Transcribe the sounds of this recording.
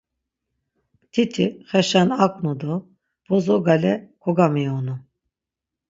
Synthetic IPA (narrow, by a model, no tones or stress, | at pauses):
t̪ʰit̪ʰiχɛʃanakʼnud̪ɔ | b̥ɔzɔɡalɛkʰɔɡamiɔnu